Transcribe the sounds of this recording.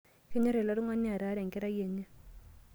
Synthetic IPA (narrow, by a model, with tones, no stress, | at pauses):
kɪ˦ɲɔ˦ɾɛ˨la˦ɾi˦ŋwa˦nːi˦a˨ɾa˨˦ɾa˨ŋ˨kɪ˦ɾa˦je˨ɲːa˦